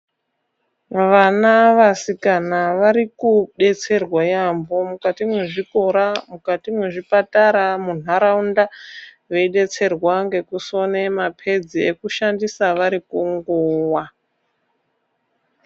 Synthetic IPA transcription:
ʋanaʋasikanaʋaɾikuɗe̞t͡se̞rwajambomukatimwe̞ʐiko̞ɾamukatimwe̞ʐipataɾamunaɾaunda | ʋe̞iɗe̞t͡se̞rwaŋɡe̞kuso̞ne̞mapʰe̞d͡ziekuʃandisaʋaɾikuŋɡuːwa

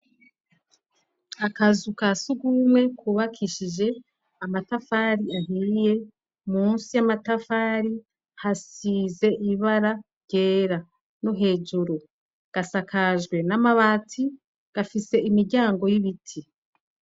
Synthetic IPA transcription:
akazukasuɡumwe̞kuːβakʰiʃid͡ʒe̞ | amatafaɾiaɦiije̞ | muːnsijamatafaɾi | hasize̞ʔiβaɾaɾɟe̞ːɾa | noɦe̞ːʒuɾu | ɡ̥asakʰaʒɡwe̞namaβaːtʰi | ɡ̥afise̞imiɾɟaːŋɡo̞jiβitʰi

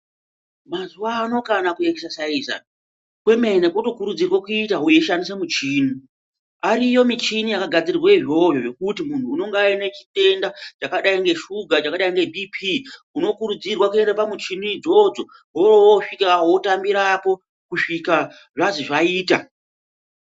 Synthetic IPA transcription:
mazuwaːno̞kanakuekesasaiza̰n | kwe̞me̞nekoto̞kuɾud͡zirwakuitaɦujeʃandis̬emut͡ʃiːni | aɾijo̞mit͡ʃinijakaɡʱad͡zirirweʐo̞vjoʐe̞kutimun̤uːno̞ŋɡaine̞t͡ʃi̥te̞ndat͡ʃakaɗaiŋɡe̞ʃuɡʱat͡ʃakaɗaiŋɡe̞bʱipʰi | uno̞kuɾud͡zirwakue̞ndepamut͡ʃinid͡zo̞d͡zo̞ | ɦorowoʂikaɦotambiɾapo̞ | kuʂika | ʐaziʐaiːta̰

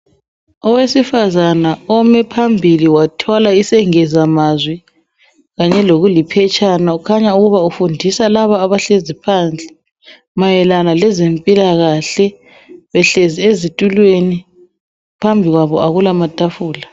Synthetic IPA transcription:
ɔwesifazanaɔmɛpʰambʱiliwatʰɔlaisɛŋɛzamazwi | ɣaɲɛloɣulipʰɛt͡ʃʰʼanaukʰaɲauɣuβaufundʱisalaβaːβaɬezipʰand͡ɮʱɛ | majɛlanalɛzempʼilaɣaɬɛ | βɛɬeziezitʼulweni | pʰambʱiɣwaβɔaɣulamatʼafuːla

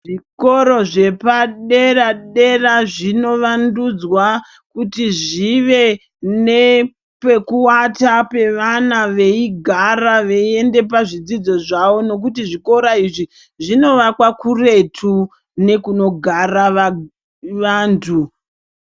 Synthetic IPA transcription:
ʐiko̞ɾo̞ʐe̞paɗe̞raɗe̞raʐino̞ʋandud͡zwa | kutiʐiʋe̞ | ne̞ | pe̞kuwatape̞ʋanaʋe̞iɡʱaraʋe̞ie̞nde̞p̬aʐid͡zid͡zo̞ʐaʋo̞no̞k̬utiʐiko̞ɾaiʐi | ʐino̞ʋakwakure̞tʰu | ne̞kuno̞ɡʱaraʋa | ʋaːntʰu

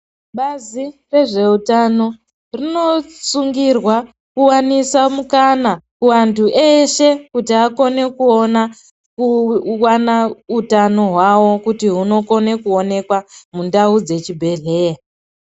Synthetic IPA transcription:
ɓazire̞ʐe̞utano̞ | rino̞suŋɡirwa | kuwanisamukanakuwantʰuʔeʃe̞kutiako̞ne̞kuona | kuwanautano̞ɦwawo̞kutiɦuno̞ko̞ne̞kuo̞ne̞kwamundaud͡ze̞t͡ʃibʱe̞ɮe̞ːa

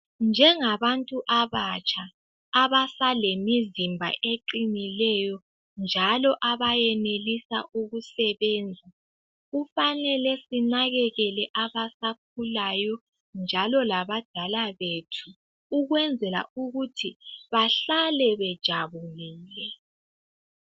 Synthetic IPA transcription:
nd͡ʒʱɛŋaβantʼuʔaβat͡ʃʰʼaː | βasalemizimbʱa̰ʔeǃinilɛjɔ | nd͡ʒʱalɔʔaβajɛnelisa̰ʔuɣusɛβɛːnd͡zʱa | ɣufanɛlɛsinaɣɛɣɛlɛʔaβasak̚ʰulajɔ | nd͡ʒʱalɔlaβad̥ʱalaβetʰu | uɣwɛnd͡zʱɛla̰uɣutʰiβaɬalɛβɛd̥ʒ̥ʱaβuliːlɛ

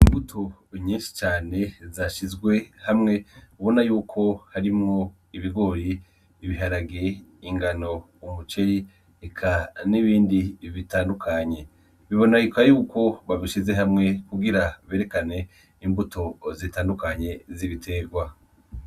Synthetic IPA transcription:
imbutʰo̞ɲiːnʃi̥t͡ʃaːne̞zaʃizɡwe̞hamŋe̞uβonajuːkʰo̞haɾimŋo̞ | iβiɡo̞ːɾi | βiɦaɾaɡeiŋɡano̞ | umut͡ʃe̞ɾi | ekʰaniβiːndiβitaːndukʰaɲe̞ | βiβo̞naikwajuːkʰo̞βaβiʃize̞ɦamŋe̞kuɡiɾaβe̞ːɾe̞kane̞ | imbutʰo̞zitaːndukaɲe̞ziβitʰe̞ɡwa

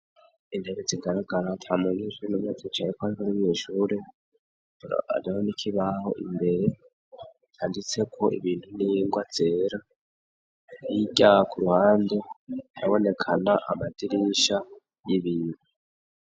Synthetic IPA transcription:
indeβed͡ziɡaɾaɡaɾatʰamuŋiʃuɾenumunat͡set͡ʃaɾikoaɾikoniɲiʃuːɾe | a̰ɾiahonikʰiβaho̞̰ʔḭmbe̞ɾe̞ | taːndit͡se̞kʰo̞ʔḭβiːntuniŋɡwad͡z̥e̞ːɾa | jiɟakʰuɾuhaːndetaβo̞ne̞kʰanaʔamadiɾiʃa | jiβiːndu

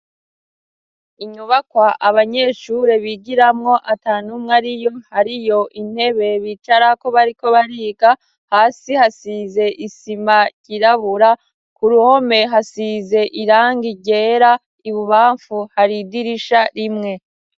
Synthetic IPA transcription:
iɲuβakwaʔaβaɲe̞ːʃuɾe̞βiɡiɾamŋo̞ʔataːnumŋaɾijo̞haɾijo̞ʔin̥he̞βe̞βit͡ʃaɾako̞βaɾiko̞βaɾiːɡa | haːsihasize̞ʔisimaɟ̥iɾaβuɾa | kuɾuho̞me̞ɦasize̞ʔiɾaːŋɡiɟe̞ːɾa | iβuβaːɱfuhaɾidiɾiʃaɾimŋe̞

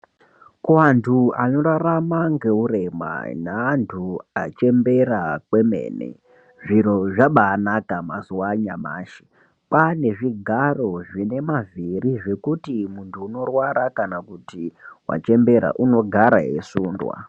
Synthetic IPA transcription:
kuantʰuano̞ɾaramaŋɡe̞uɾe̞ma̰naːntʰuat͡ʃe̞mbe̞ɾakwe̞me̞̰ːnḛ | ʐiro̞ʐaɓaːnakamasuwaɲama̰ːʃi̥ | pane̞ʐiɡʱaro̞ʐine̞maviriʐe̞kutimuntʰuːno̞rwaɾakanakutiwa̰t͡ʃe̞mbe̞ɾa̰ʔuno̞ɡʱaɾaɦḛsuːndwa̰

